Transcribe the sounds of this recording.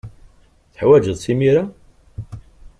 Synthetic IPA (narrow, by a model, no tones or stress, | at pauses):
θəħwæd͡ʒəðˤsimiɾa